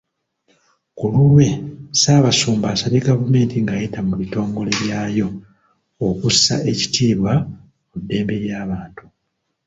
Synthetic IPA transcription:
kululwe̞saːβasuːmbaːsaleɡavume̞ːntiŋɡajetamuβito̞ːŋɡo̞le̞ɾjaːjo̞ː | kusa̰ʔe̞ci̥tʰiːβwa | mudːe̞ːmbe̞ɾjaːβaːntu̥

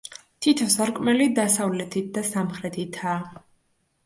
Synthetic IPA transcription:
t̪ʰit̪ʰɔsaɾkʼmɛlid̪asavlɛt̪ʰit̪̚ʰd̪asamχɾɛt̪ʰit̪ʰaː

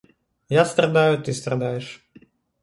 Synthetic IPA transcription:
jast̪ɾɐd̪ajʊt̪ɨst̪ɾɐd̪ajɪʂ

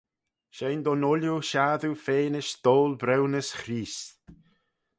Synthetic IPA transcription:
ʃejnd̪ɔnʊljuʃaːðufeːnɪʃd̪̥oːlbɾɛwnəsxɾiːs

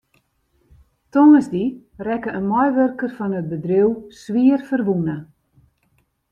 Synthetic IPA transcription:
tonəzdi | rɛkəənmɔjʋørkərfɔnət̚bədriwsʋiərfərʋunə

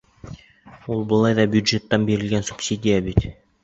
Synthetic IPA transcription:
ulˠbŏlˠɑjðɑbjud̪ʒet̪ːɑnbiɾɘ̆lɡænsu̥ksʲid̪ʲijabit̪

